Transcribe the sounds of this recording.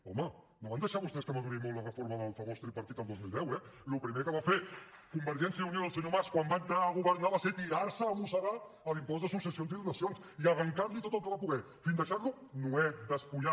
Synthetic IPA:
ɔmə | noβand̪əʃaβust̪ɛskəməɣuɾimolt̪ːlərəfoɾməðəlˠfəmost̪ɾipəɾt̪it̪əlˠd̪ozmilˠd̪ɛwɛlupɾimekəβafe | kumbəɾʒɛnsjəunioðəlˠsinomaskwambaŋk̪əɣaɣuβəɾnaβaset̪iɾaɾsəːmusəɣa | əlimpɔzd̪əsuksəsionziðunəsions | iəɣəŋkaɾlit̪ot̪əlˠkəβapuɣɛ | find̪əʃaɾlunoɛd̪əspuɲa

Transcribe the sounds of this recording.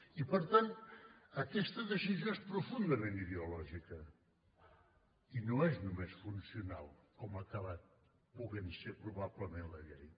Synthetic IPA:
ipəɾt̪anəkɛst̪əðəʃizjoespɾufund̪əmẽniðeulɔʒikə | inoeznumesfunsiuna̰lˠkɔməkaβat̪̚ | puɣensepɾuβaβləmenləɣɛj

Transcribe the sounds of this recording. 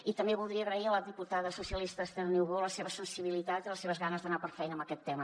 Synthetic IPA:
it̪əmbeβulˠd̪ɾiəɣɾəiələðiput̪aðəsusiəlist̪əst̪ɛrniwɣoləseβəsənsiβilit̪at̪iləseβəzɣanəzðənapəɾfɛjnəmbəkɛt̪ːɛmə

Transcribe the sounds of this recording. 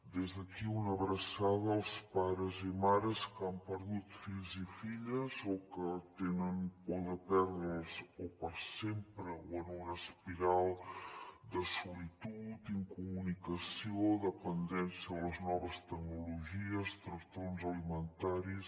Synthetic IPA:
d̪ezðəkiunəβɾəsaðəːlˠspaɾəzimaɾəskampəɾðut̪fiʎzifiʎəzokət̪enənpuðəpɛɾðɾəlzopəɾsempɾəwənuɾəspiɾalˠ | d̪əsulit̪ut̪iŋkumunikəsioðəpənd̪ɛnsiəðələznɔβəst̪əɡnuluʒiəst̪ɾəkt̪onzəlimənt̪aɾis

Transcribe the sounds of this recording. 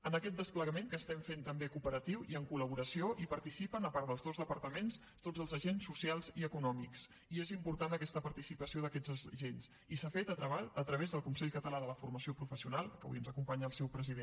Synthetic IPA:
ənəkɛt̪̚d̪əspləɣəmeŋkəːst̪ɛmfent̪əmbekupəɾət̪iwiəŋkuləβ̞uɾəsioʔipəɾt̪isipənəpaɾəlˠzðozðəpəɾt̪əmens | t̪odd͡zəlˠzəʒensːusialˠziəkunɔmiks | iezimpuɾt̪anəkɛst̪əpəɾt̪isipəsioðəkɛd͡zəʒens | isafet̪ət̪ɾəβaət̪ɾəβ̞ezðəlˠkunsɛʎkət̪əlaðələfuɾməsiopɾufəsiunalˠkə̰βṵənzəkumpaɲəːlˠsɛwpɾəziðe

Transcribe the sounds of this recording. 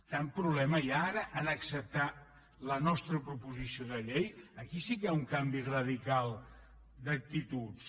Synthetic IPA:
t̪ampɾuβlɛməjaaɾəʔənəksəp̚t̪a | lənɔst̪ɾəpɾupuzisioðəʎejəkisikəauŋkambirəðikalˠ | d̪ək̚t̪it̪us

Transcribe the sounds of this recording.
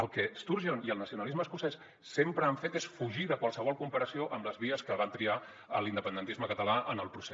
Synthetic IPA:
əlˠkɛst̪uɾʒoniəlˠnəsiunəlizməːskusɛsː | empɾəaɱfet̪esfuʒiðəkwalˠsəβ̞ɔlˠkumpəɾəsioʔəmləzβiəskəβat̪ɾia | əlind̪əpənd̪ənt̪izməkət̪əlaʔənəlˠpɾuse

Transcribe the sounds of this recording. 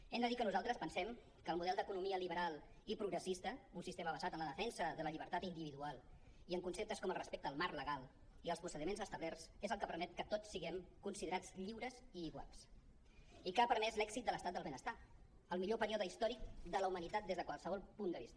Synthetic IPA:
ɛnd̪əðikənuzalˠt̪ɾəspənsɛm | kəːlmuðɛlˠd̪əkunumiəliβəɾalˠ | ipɾuɣɾəsist̪əunsist̪eməβəzat̪ənləðəfɛnsəðələʎiβ̞əɾt̪at̪ind̪iβiðualˠ | iəŋkunsep̚t̪əskɔməlˠrəspek̚t̪əːlˠmarləɣalˠ | iəlˠspusəðimenzəst̪əβlɛrsezəlˠkəpəɾmɛt̪̚kət̪ot͡sːiɣɛmkunsiðəɾat͡sʎiwɾəziːɣwa̰lˠs | ikapəɾmɛzlɛksit̪̚d̪ələst̪at̪d̪əlˠβenəst̪a | əlˠmiʎopəɾiɔðəist̪ɔɾik̚d̪ələumənit̪at̪̚d̪ezðəkwalˠsəβɔlˠpund̪əβist̪ə

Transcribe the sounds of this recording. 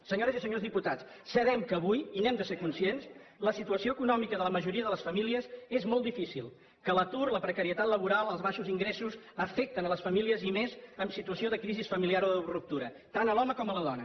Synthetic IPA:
səɲoɾəzisəɲozðiput̪at͡s | səðɛmkəːβujinɛmd̪əseɾkunsiensləsit̪uəsioəkunɔmikəðələməʒuɾiəðələsfəmiliəzezmɔlˠd̪ifisilˠ | kələt̪uɾləpɾəkəɾiət̪at̪ləβ̞uɾalˠəlˠzβaʃuziŋɡɾɛsuzəfɛk̚t̪ənələsfəmiliəzimezəmsit̪uəsioðəkɾizisfəmiliaɾoðurup̚t̪uɾə | t̪anəlˠɔməkɔmələðɔnə

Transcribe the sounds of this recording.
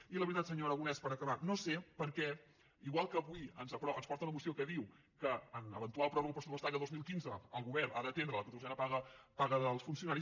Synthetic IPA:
iləβɾit̪at̪səɲoɾəɣunɛspəɾəkəβanosepəɾkɛ | iɣwalˠkəβujənzəpɾɔənspɔɾt̪əunəmusiokəðiw | kəːnəβənt̪ualˠpɾɔβəlˠpɾəsuəst̪akəðozmilˠkinzəːlˠɣuβɛrnaðət̪end̪ɾələk̪uɾt̪uʒɛnəpaɣəpaɣəðəlˠsfunsiunaɾis

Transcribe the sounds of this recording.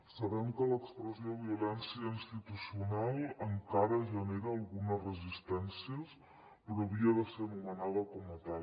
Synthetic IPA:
səβɛmkələkspɾəzioβiulɛnsiəinst̪it̪usiunalˠəŋkaɾəʒəneɾəːlˠɣunəzrəzist̪ɛnsiəs | pɾɔβiəðəseɾnumənaðəkɔmət̪a

